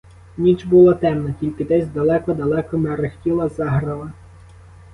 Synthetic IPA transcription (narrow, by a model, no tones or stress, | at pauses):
nʲit͡ʃbulˠɐt̪ɛmnɐtʲilʲkɪd̪ɛzʲd̪ɐlˠɛkɔd̪ɐlˠɛkɔmɛɾɪxtʲilˠɐzɑɦɾɐlˠɐ